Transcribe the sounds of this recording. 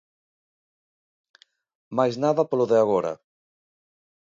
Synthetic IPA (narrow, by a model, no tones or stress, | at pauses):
majznaðɐpoloðeaɣɔɾɐ̰